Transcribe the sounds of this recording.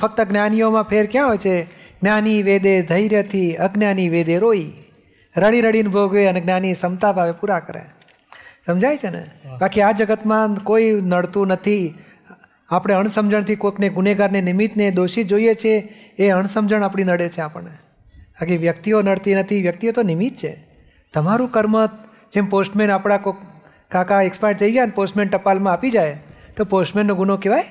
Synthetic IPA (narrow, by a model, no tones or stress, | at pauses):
fək̚t̪əɡnjanijomãpʰeɾkjãɦojt͡ʃʰeɡnjaniʋed̪ed̪ʱəjɾjət̪ʰiəɡnjaniʋed̪eɾoi | ɾəɽiɾəɽinbʱoɡʋeəneɡnjanisəmt̪abʱaʋepuɾakəɾḛ | səmd͡ʒajt͡ʃʰenḛbakiad͡ʒəɡət̪mãkoinəɽt̪ũnət̪ʰi | apɽ̃eəɳ̃səmd͡ʒəɳt̪ʰikokneɡuneɡaɾnenimit̪ned̪oʃid͡ʒoiet͡ʃʰeː | əɳ̃səmd͡ʒəɳ̃apɽ̃inəɽet͡ʃʰeapə̰ɳne | bakiʋjək̚t̪ionəɽt̪inət̪ʰiʋjək̚t̪iot̪onimit̪̚t͡ʃʰḛ | t̪əmaɾũkəɾmət̪ | d͡ʒemposʈmenapɽ̃ako | kakaɛkspaɪɽt̪ʰəiɡjaneposʈmeɳʈəpalmãapid͡ʒajt̪oposʈmẽnːõɡunokeʋaj